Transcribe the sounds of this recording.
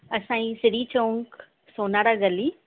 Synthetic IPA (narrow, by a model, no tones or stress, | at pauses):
ɐsãːĩsɪɽit͡ɕoːŋk | soːnaːɾaɡɐli